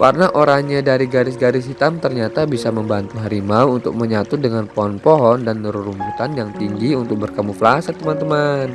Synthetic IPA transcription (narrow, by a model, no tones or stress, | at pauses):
karnaʔoɾaŋɲadaɾiɡaɾɪs̬ɡaɾɪsɦit̪amt̪ərɲat̪abisaməmbant̪uɦaɾimauːnt̪ʊ̰k̚məɲat̪udəŋanpoɦɔnpoɦɔndanɾuɾumbut̪anjaŋt̪iŋɡiunt̪ʊk̚bərkamuflasat̪əmant̪əman